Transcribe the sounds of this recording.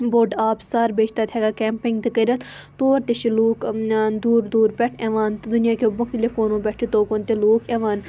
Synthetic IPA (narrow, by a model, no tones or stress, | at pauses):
boːɖaːpsaːɾbeːt͡ʃʰt̪aːt̪ʰɛːɡakɛːmpɪ̃ŋɡd̪əkiːɾət̪ | t̪oːɾt̪eʃiluːkːnd̪uːɾd̪uːɾpʲɛʈʰɛːʋaːnt̪d̪ʊnɪjaːkeʊbmɐkt̪lekoːnõbɛːʈʰit̪oːkont̪eloːkɛːʋaːn